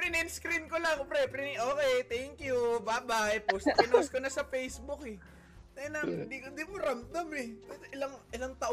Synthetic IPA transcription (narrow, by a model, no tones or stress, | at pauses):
pɾɪnɪnskɾɪnkolɐŋpɾɛpɾɪnʔoːkɛjt̪ɛŋkjubabajpospɪnoskonɐsɐfɛjsbʊkɛ | t̪ɐnɐɪnd̪ikond̪imʊɾamt̪ɐmɛpɛd̪ɪlaŋʔɪlɐŋt̪ɐʔ